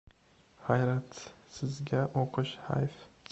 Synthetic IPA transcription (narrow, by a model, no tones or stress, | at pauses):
hajɾat̪sɪzɡʲaʔoqʰɨʃha̰jf